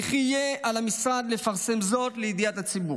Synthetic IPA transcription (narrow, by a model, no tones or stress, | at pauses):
χijealamisʁad̪lefaʁse̞mzo̞tleid̪ijathat͡sibu